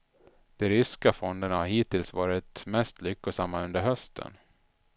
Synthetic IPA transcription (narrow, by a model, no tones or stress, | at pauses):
d̪̥ɛɾʏskafɔnd̪ənahaɾɦiːt̪ɪlsvɑːɾɪt̪mɛst̪lʏkːəsamːaɵnd̪əɾɦœst̪ʰə̰n